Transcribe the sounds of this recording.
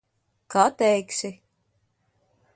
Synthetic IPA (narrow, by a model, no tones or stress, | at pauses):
kat̪ɛjksʲi